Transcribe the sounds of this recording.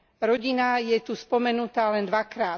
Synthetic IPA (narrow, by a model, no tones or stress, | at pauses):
ɾɔɟinajɛt̪uspɔmɛnut̪aːlɛnd̪ʋakɾaː